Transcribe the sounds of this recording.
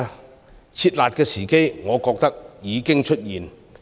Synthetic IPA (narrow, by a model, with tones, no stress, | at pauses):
t͡sʰiː˧t̚laː˨t̚kɛː˧siː˨˩ke˥jŋɔː˨˧kɔː˧k̚t̪ɐ˥k̚jiː˨˧kɪ˥ŋt͡ʃʰɵ˥t̚jiː˨n